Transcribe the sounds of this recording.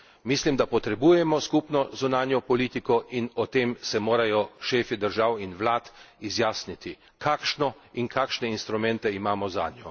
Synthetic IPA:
mislimd̪apɔt̪ɾɛbuːjɛmɔskupnɔzunaːnjɔpɔliːt̪ikɔʔinɔt̪eːmsɛmoːɾajɔʃeːfid̪əɾʒaːwinʋlaːt̪ | izjaːsnit̪i | kʰakʃnɔinkʰaːkʃnɛinst̪ɾumɛnt̪ɛimaːmɔza̰ːnjɔ̰

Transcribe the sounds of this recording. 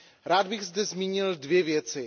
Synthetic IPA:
ɾaːd̪bɪɣzdɛzmiːɲɪldvjɛvjɛt͡sɪ

